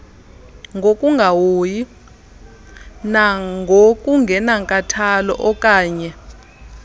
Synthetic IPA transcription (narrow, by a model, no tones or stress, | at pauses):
ŋɡʱokʼuŋɡʱawoːji | naŋɡʱokʼuŋɡʱɛnaŋkʼatʰalɔ̰ʔɔkʼaːɲɛ